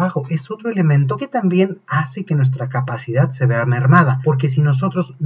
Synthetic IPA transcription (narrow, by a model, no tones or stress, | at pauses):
axo̞ʔe̞so̞t̪ɾo̞ele̞mẽ̞nt̪̬o̞ke̞t̪ambje̞nase̞ke̞nwes̬t̪ɾakapasiðaðse̞βe̞ame̞ɾmaðapo̞ɾk̬e̞s̬ino̞s̬o̞t̪ɾo̞zn